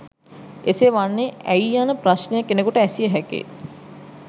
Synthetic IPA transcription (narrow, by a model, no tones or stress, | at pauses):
eseʋanːeʔɛianəpraʃnejakːenekuʈəɛsijəɦɛkḛ